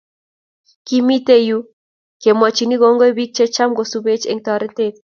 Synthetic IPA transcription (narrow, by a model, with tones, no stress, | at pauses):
ki˦mi˦t̪e˦ju˦ | ke˨mɔ˨t͡ʃi˨ni˦ɡo˦ŋɡo˦e˦bi˦k̚t͡ʃe˦t͡ʃa˦mɡosu˨be˦t͡ʃḛŋt̪ɔ˨ɾɛ˦t̪e˦t̚